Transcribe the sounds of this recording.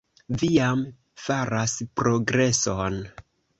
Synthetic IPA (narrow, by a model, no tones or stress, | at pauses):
vijam | faɾaspɾo̞ɡɾe̞son